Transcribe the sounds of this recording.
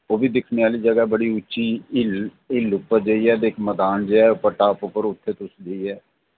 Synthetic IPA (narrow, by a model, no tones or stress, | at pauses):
oːbiːd̪ɪkʰneːaːliːd͡ʒəɡaːbəɽiːʊt͡ʃt͡ʃːiːɪl | ɪlʊpːəɾd͡ʒəiːɛːd̪eɪkməd̪aːnd͡ʒeɛːʊpəʈaːpʊpəɾʊt̪ʰːeːt̪ʊsd͡ʒəiːɛː